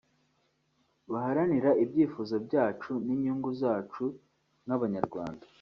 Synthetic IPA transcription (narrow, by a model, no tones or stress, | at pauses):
βaɦaɾaniɾaibjiːfuːzobɟaːt͡ʃuniɲuːŋɡuzaːt͡ʃu | naβaɲaɾɡwa̰ːnda